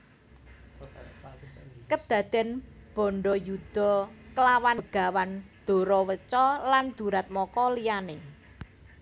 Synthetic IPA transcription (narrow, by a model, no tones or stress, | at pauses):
kəd̪̥ä̤d̪̥ɛ̤nb̥ɔ̤ɳɖɔjud̪̥ɔ̤kəlawanɡ̥a̤wand̪̥o̤ɾɔwət͡ʃɔland̪̥ṳɾat̪̚mɔkɔlijanɪ